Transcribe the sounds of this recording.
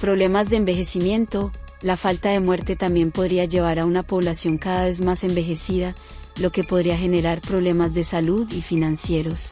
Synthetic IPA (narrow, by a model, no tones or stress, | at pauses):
pɾo̞βle̞mazd̪eːmbe̞xe̞simje̞nt̪o̞ | lafalt̪aðe̞mwe̞ɾt̪e̞t̪ambje̞mpo̞ðɾiad͡ʒe̞β̞aɾaunapo̞βlasjo̞ŋkaðaβe̞zmase̞mbe̞xe̞siða | lo̞ke̞po̞ðɾiaxe̞ne̞ɾaɾpɾo̞βle̞mazd̪e̞saluðifinãnsje̞ɾo̞s